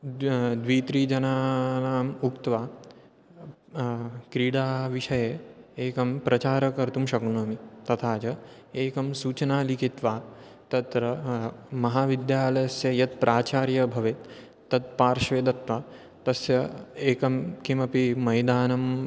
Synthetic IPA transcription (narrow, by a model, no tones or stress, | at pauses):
d̪ʋiːt̪ɾiːd͡ʒɐnaːnaːmukt̪ʋaː | kɾiːɽaːʋiʃɐjeeːkɐmpɾɐt͡ʃaːɾɐkɐɾt̪umʃɐknɐːmit̪ɐt̪ʰaːt͡ʃɐ | eːkɐmsuːt͡ʃɐnaːlikit̪ʋaː | t̪ɐt̪ɾɐmɐɦaːʋid̪jaːlɐjɐsjɐjɐt̪̚pɾaːt͡ʃaːɾjɐbʱɐʋet̪ | t̪ːɐt̪̚paːɾʃʋeːd̪ɐt̪ʋaː | t̪ɐsjɐeːkɐmkimɐpimɐjd̪aːnɐm